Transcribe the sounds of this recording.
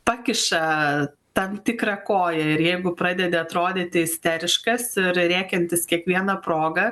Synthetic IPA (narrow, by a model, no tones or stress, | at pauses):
pɑːkʲɪʃɐ | t̪ɐnt̪ʲɪkɾɐkoːjɛɪɾjɛɪɡʊpɾɑːd̪ʲɛd̪ʲɛɐt̪ɾoːd̪ʲɪːt̪ʲɪɪsʲt̪ʲɛɾʲɪʃkɐsɪɾɾʲæːkʲɛnʲt̪ʲɪskʲiɛkʋʲiɛnɐpɾoːɡɐ